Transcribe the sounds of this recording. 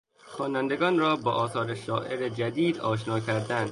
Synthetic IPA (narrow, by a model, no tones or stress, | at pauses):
xɒːnænd̪eɡɒːnrɒːbɒːʔɒːsɒːɾeʃɒːʔeɾed͡ʒæd̪iːd̪ɒːʃ̬nɒːkʰæɾd̪ænd̪